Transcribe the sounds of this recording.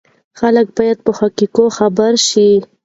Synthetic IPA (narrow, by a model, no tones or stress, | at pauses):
xalək̚bɑjad̪̚pəhakikoxabaɾʃi